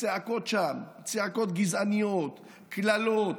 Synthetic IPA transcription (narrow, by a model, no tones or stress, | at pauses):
t͡seako̞t̪ʃam | t͡seako̞t̪ɡizanijot̪ | klalot